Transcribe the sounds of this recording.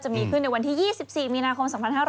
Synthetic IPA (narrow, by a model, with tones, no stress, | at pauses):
t͡ɕa˨˩miː˧kʰɯ˥˩nːa˧jwa˧nt̪ʰiː˥˩jiː˥˩si˨˩p̚siː˨˩miː˧naː˧kʰo˧msɔ˨˩˦mpʰa˧nhaː˥˩ɾ